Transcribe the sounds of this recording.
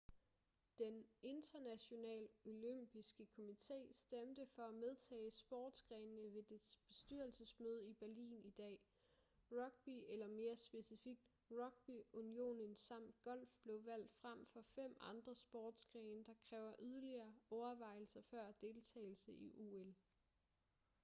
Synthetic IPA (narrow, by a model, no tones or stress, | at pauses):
d̥ene̝nd̥ɐnæɕo̝nɛ̰ːlo̝løm̰b̥isɡ̥əkʰo̝mit͡sʰe̝̰ːsd̥emd̥əfɒ̽æmeðˠt͡sʰɛ̰ːsb̥ɒ̰ːd̥sɡ̥ʁɛnnəʋe̝d̥e̝d̥b̥e̝sd̥yɐl̩səsmøð̞ˠib̥æɐlḭːnid̥ɛ̰ː | ʁɒɡ̥̚b̥ielɐme̝ːɐsb̥e̝sifiɡ̥̚d̥ | ʁɒ̽ɡ̥̚b̥iunio̝̰ːnənsɑ̈m̰d̥ɡ̥ɒ̽l̰fb̥le̝ʊʋæl̰d̥fʁam̰fɒ̽fem̰ɑ̈nd̥ʁɐsb̥ɒːd̥sɡ̥ʁɛːnəd̥ɑ̈kʰʁɛːʊɐʔyðˠɐliɐːɒʊɐʋɑ̈ɪ̰l̩sɐfɶɐ̰d̥e̝lt͡sʰɛ̰ːɪl̩səʔiʔuel